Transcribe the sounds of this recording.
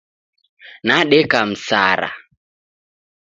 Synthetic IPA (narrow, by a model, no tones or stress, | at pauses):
naɗɛkam̩sa̰ɾa̰